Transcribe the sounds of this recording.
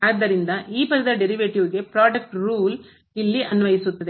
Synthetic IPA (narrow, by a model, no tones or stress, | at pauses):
aːd̪ːɐɾind̪ɐʔiːpɐðɐd̪ɐɖeɾiʋeːʈiʋuɡepɾaːɖɐk̚ʈɾuːl | ilːiʔɐnʋɐjisut̪ːɐd̪e